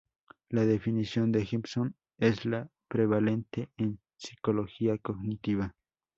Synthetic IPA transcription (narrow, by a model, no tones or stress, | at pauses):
laðefinisjo̞nd̪exipson | esla | pɾeβale̞nt̪een | si̥koloxiakoɡnit̪iβa